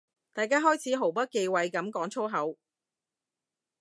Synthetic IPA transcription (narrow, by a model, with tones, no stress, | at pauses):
t̪aː˨jkaː˥ɦɔː˥jt͡sʰiː˨˥ɦo˨˩wpɐ˥t̚ke˧jwɐ˨jkɐ˨˥mkɔː˨˥ŋt͡sʰo˥ɦɐ˨˥w